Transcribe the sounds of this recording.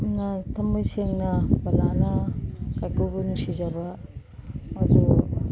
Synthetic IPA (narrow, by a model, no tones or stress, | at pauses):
natɐmbujseŋnɐbɐlanɐkajkubunusizɐbɐ | ɐdu